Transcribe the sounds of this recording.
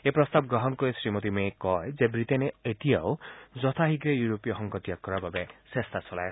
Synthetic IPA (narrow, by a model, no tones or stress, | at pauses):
epɾɔst̪abɡɾɔɦɔnkɔesɾimot̪imekɔezebɾit̪eneet̪ijaod͡ʒɔt̪ʰaɦiɡɾejuɾopijɔɦɔŋkɔt̪jakːɔɾababesest̪ʰasɔla̰e